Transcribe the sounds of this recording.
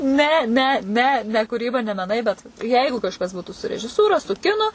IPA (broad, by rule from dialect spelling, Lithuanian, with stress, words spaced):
ˈnʲɛ ˈnʲɛ ˈnʲɛ nʲɛ kuːˈrʲiːbɐ nʲɛ mʲɛˈnɐɪ bʲɛt ˈjɛɪɡʊ kɐʃˈkɐs ˈbuːtuː sʊ rʲɛʒʲɪˈsuːrɐ sʊ ˈkʲɪnʊ